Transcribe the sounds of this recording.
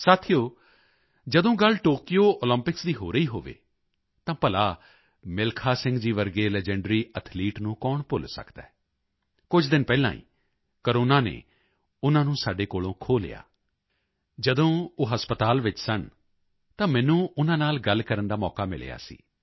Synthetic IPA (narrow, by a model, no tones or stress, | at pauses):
saːt̪ʰijoː | d͡ʒəd̪õːɡəlʈoːkijoːʔoːlə̃mpɪksd̪iːɦoːɾəiːɦoːʋḛː | t̪ãːpəlaː | mɪlkʰaːsɪ̃ŋɡd͡ʒiːʋəɾɡeːlɛːd͡ʒɛ̃ɳɖɾiːət̪ʰliːʈnũːkɔːɳpʊlsə̰kd̪ɛ̰ː | kʊd͡ʒʰd̪ɪnpɛːlã̰ːḭ̃ː | kəɾoːnãːnḛː | ʊnãːnũːsaːɖeːkoːlõːkʰoːlja̰ː | d͡ʒəd̪õːoːɦəspət̪aːlʋɪt͡ʃsəɳ | t̪ãːmɛ̃ːnũːʊnãːnaːlɡəlkəɾənd̪aːmɔːkaːmɪ̰l̰ja̰ːsḭː